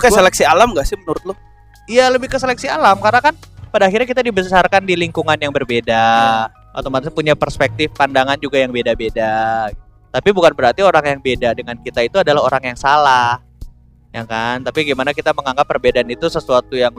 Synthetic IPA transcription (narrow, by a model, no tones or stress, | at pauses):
kəsəlɛksialamŋɡaʔsɪhmənuɾʊt̪̚lʊh | ijaləbɪhkəselɛksialamkarnakanpadaːxirɾɲakit̪adibəsarkandiliŋkuŋanjaŋbərbeda | ʔa̰t̪omat̪apuɲapərspɛk̚t̪ɪfpandaŋand͡ʒuɡajaŋbedabeda | t̪apibukanbəɾart̪ioɾaŋjaŋbedadəŋankit̪ait̪uadalaɦoɾaŋjaŋsalah | jakant̪apiɡimanakit̪aməŋaŋɡapːərbedaːnit̪usəsuat̪ujaŋ